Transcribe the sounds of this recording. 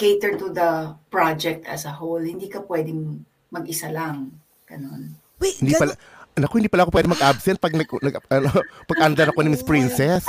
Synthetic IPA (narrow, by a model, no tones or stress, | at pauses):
keɪt̪ɛɹt̪ud̪ɐpɹad͡ʒɛk̚t̪ɐ̰sɐɦolhɪnd̪iːkɐpwɛd̪ɪŋ | mɐɡɪsalɐŋ | ɡ̥ɐnon | hɪnd̪ipɐl | nɐkoɪnd̪iːpɐlɐkop̬wɛːd̪ɛŋmɐɡʔabsɛnt̪̚pɐɡ̚nɐɡnɐɡʔɐnopɐɡ̚ʔɐnd̪ɐnɐkonɐmɪspɹinsɛs